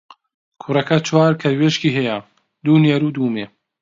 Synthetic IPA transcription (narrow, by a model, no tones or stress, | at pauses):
kʰurɐkɐt͡ʃwaːɾkʰɐɾweʃkiːɦɛjɐ | d̪uːnjɛɾud̪uːmeː